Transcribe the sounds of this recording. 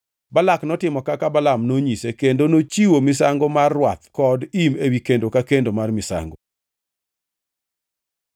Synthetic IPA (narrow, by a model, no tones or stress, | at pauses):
balaknɔtɪmɔkakabalamnoɲisekendonot͡ʃiwomɪsaŋɡomarːwat̪̚kɔdimewikendokakendomarmɪsa̰ŋɡo